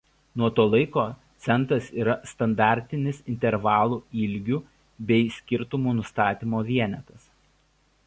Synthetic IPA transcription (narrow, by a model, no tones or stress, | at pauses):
nuɔt̪oːlˠɐɪkoːt̪sʲɛnˑt̪ɾɐsiːɾɐst̪ɐnd̪ɑːˑɾʲt̪ʲɪnʲɪsɪnʲt̪ʲɛɾʋɑːlˠuːɪlʲɡʲuː | bʲɛɪsʲkʲɪɾt̪ʊmuːnʊst̪ɑːt̪ʲiːmoːʋʲiɛnʲɛt̪ɐs